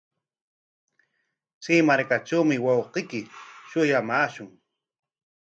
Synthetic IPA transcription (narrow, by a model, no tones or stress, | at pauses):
t͡simaɾkaʈ͡ʂawmɪwɑwqekɪʃʊjamaːʃʊŋ